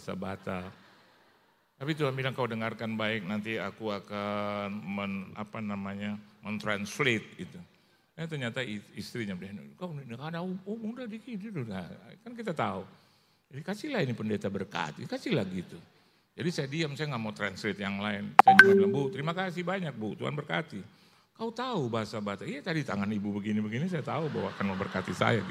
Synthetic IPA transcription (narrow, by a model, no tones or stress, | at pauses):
asa̰bat̪a | t̪apit̪uambilaŋkaudəŋarkanbaɪk̚nant̪iakuakanməna̰panamaɲamənt̪ɾanslet̪̚it̪u | at̪ərɲat̪aiist̪ɾiɲabdɛnkannkadauumuŋdadikiduduɡakankit̪at̪au | d͡ʒadikat͡ʃilahinipəndet̪abərka̰t̪ikat͡ʃilahɡit̪u | d͡ʒadisajadiamsajaŋɡaʔmawt̪ɾanslet̪jaŋlaɪnsajanikaabut̪əɾimakasɪhbaɲak̚buut̪ua̰nbərka̰t̪i | kaut̪aubaɦasabaasaijat̪adit̪a̰ŋanibubəɡinibəɡinis̬ajat̪auba̰wakanməbərkat̪isa̰jaɡi